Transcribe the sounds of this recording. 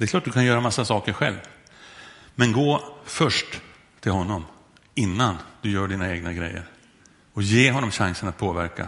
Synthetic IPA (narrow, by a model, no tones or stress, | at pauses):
d̪ɛkʰlɑːʈ̚ːd̪ɵkʰanjœːɾamasːasɑːkəɾɧɛ̰lv | mɛnɡoːfœʂʈ | t̪ʰɪlɦɔnːɔm | ɪnːand̪̥ɵjœːɖiːnaeːɡnaɡɾɛ̰jːə̰ɾ | ɔjeːɦɔnːɔmɕaŋsənat̪̚pʰoːvæɾka̰